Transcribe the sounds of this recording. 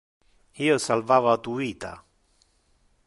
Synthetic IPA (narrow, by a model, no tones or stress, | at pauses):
hiosalvavaːt̪uiːt̪a̰